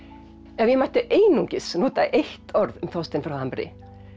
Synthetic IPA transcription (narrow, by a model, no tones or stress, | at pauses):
ɛvjɛmaht̪ɪʔeːjnuŋcɪsnoːt̪aʔeht̪ɔɾðʏmθɔwst̪ɪnfɾawhampɛɾɪ̰